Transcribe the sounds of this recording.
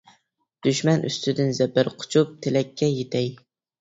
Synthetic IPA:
d̪̥yʃmɛnʔy̰st̪ʰɪd̪ɪnzɛbɪɾqʰʊ̥t͡ʃʰup̚t̪ʰelɛkʲʰːɛjet̪ʰɛj

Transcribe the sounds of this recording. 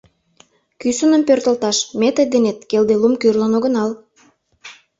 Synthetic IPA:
kysunəmpørt̪ə̆lt̪ɑʃmet̪ə̆d̪enet̪̚keld̪elumkyrlənoɣə̆nɑl

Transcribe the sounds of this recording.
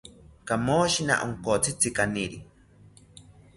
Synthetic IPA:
kamoʃina̰ʔoŋkot͡sʰit͡sʰikaniɾi

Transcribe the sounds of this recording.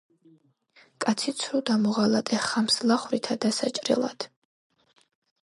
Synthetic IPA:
kʼat̪sʰit̪sʰɾud̪amɔʁalat̪ʼɛχamslˠaχvɾit̪ʰad̪asat͡ʃʼɾḭlˠa̰d̪̥

